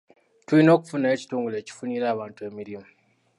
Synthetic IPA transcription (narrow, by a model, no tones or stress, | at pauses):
twuino̞ːku̥funaeci̥tuːŋɡule̞ːci̥funiːɾaβaːntuemiɾimo